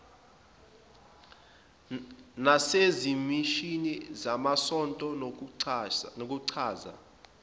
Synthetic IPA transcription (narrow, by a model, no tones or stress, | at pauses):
nasezimiʃinizamasɔntʼɔ | ok̬ʼuǀʰaːza̰